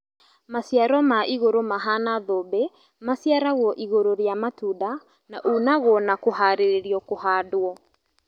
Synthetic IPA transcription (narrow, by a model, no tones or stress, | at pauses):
masiaɾɔmaʔiɣoɾomaɦanaðobe | masiaɾaɣwɔʔiɣoɾoɾjamatuda | naʔunaɣwɔnakoɦaɾeɾeɾiɔkohadoɔ